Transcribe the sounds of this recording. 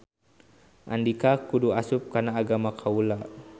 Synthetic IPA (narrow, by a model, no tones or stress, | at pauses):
ʔandikakuduasʊp̚kanaːɡamakʰaula